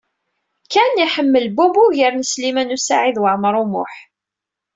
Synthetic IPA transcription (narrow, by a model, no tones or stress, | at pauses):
kæniħəmːəlbubuʝəɾnəslimænusaʕiðwəʕmɾˤumʊ̰ħ